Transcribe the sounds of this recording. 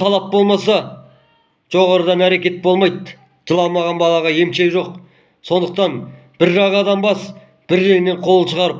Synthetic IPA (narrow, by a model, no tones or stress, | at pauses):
t̪ʰɑlˠɑp̚bo̞lˠmɑsɑ | ʒ̥o̞ʁɑɾəd̪ɑnæɾe̞kʲe̞t̪̚bo̞lˠmɑjt̪ | ʒ̥əlˠɑmɑʁɑnbɑlˠɑʁɑje̞mʃejʒo̞q̚ | so̞nd̪əqt̪ɑn | b̥ɪɾʒɑʁɑd̪ɑmbɑs | b̥ɪɾʒejne̞ɴqʰo̞lˠəʃəʁɑɾəp̚